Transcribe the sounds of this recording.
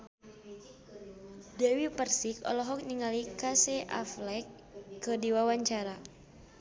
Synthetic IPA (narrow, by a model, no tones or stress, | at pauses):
dɛwipərsikɔ̰lɔɦɔk̚niŋalikasɛʔaflɛkː | ədiwawaɲt͡ʃaɾa